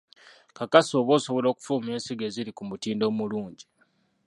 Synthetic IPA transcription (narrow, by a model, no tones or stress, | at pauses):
kakaso̞ːβo̞ːso̞βolo̞ːku̥fuːmeːnsiɡe̞ːziɾikumutiːndo̞ːmuluːɲɟi